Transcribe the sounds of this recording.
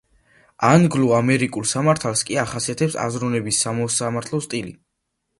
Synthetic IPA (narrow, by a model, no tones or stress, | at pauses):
anɡluamɛɾikʼulˠsamaɾt̪ʰalˠskʼiaχasiat̪ʰɛpsa̰zɾunɛbisːamɔsamaɾt̪ʰlˠɔst̪ʼilḭ